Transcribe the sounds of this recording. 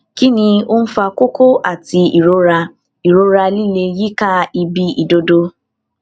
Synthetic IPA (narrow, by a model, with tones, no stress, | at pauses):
ki˦nĩ˧o˦n̩˦fa˧ko˦ko˦ʔa˨ti˧i˨ɾo˦ɾa˧ | i˨ɾo˦ɾa˧li˦le˧ji˦ka˦i˧bi˧ʔi˨do˨do˦